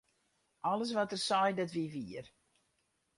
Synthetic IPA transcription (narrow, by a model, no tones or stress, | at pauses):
ʔɔləs̬ʋatərsɔjdɪtʋiʋiər